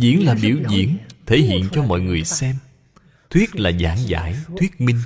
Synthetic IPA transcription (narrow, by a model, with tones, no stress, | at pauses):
zḭ˧˨˦ənlaː˨˩ɓi˧˩əwzḭ˧˦˥ənt̪ʰe˧˩˦ɦḭ˧˨ənt͡ɕɔ˧mɔ̰˧˨jŋɨ˨˩əjsɛ˧m | t̪ʰwi˦˥ət̚laː˨˩zaː˨˦ŋza̰ː˧˦jt̪ʰwi˦˥ət̚mï˧ŋ̟